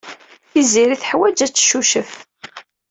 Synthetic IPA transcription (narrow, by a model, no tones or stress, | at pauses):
θiziɾiθħwæd͡ʒæt͡sːʃuʃəf